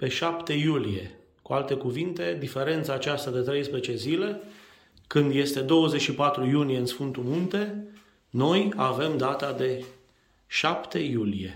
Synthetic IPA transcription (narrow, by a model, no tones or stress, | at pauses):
pe̞ʃapt̪e̞julije̞ | kualt̪e̞kuvint̪e̞d̪ife̞ɾe̞nt̪saːt͡ʃast̪ad̪et̪ɾe̞jspɾet͡ʃe̞zile̞ | kɨnd̪je̞st̪e̞d̪o̞wəzet͡ʃʲʃipat̪ɾujunije̞ɨnsfɨnt̪umunt̪e̞ | no̞jave̞md̪at̪ad̪e̞ | ʃapt̪e̞julije̞̰